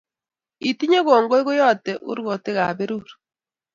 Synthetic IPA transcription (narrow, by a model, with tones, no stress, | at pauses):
i˨ti˦ɲe˦ɣo˨ŋɡo˦i˦ɣo˦jɔ˦˨tɛ˨ʔṵ˦ɾɣo˨te˦ɣa˨βe˦ɾuɾ